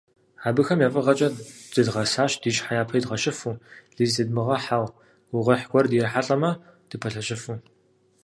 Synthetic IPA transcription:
aːbɨxɐmjaːfʼɨʁɐt͡ʃʼɐd͡zɨdʁɐsaːʃd̥iːʃħajaːpʰiːdʁɐʃɐfuɮiːzdɨdmɨʁɐħaw | wʊʁɐħɡʷɔrdjɛħaɬʼɐmɐd̥ɨpʰɐɬɐʃɐfu

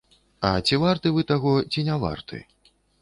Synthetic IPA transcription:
ɐt͡sʲivart̪ɨvɨt̪aɣɔt͡sʲinʲava̰rt̪ʰɨ̰

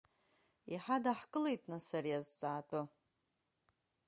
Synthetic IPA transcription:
iħadaħkʼɨle̞jtʼnasarijazt͡sʼaːtʷʼa

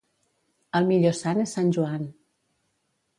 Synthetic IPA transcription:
əlˠmiʎosanesːanʲʒuan

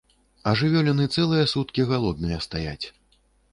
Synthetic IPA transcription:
ɐʐɨvʲɔlʲɛnɨt̪sɛlˠɨjɐsut̪kʲiɣalˠɔd̪̚nɨjɐst̪ajat͡sʲ

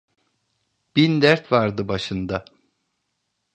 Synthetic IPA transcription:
b̥ind̪æɾt̪vaɾd̪ɯbaʃɯnd̪a

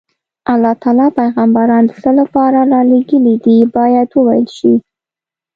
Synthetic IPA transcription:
alːɑt̪ɑlɑpajɣɑmbaɾɑnd̪əsəlapɑɾaɾɑleɡəlid̪ibɑjad̪wəwajəlʃi

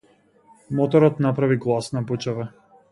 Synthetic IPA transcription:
mɔt̪ɔɾɔt̪napɾaviɡlˠasnabut͡ʃavɛ

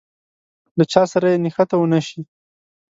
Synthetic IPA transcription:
lat͡ʃɑsaɾajenɪxat̪awənaʃi

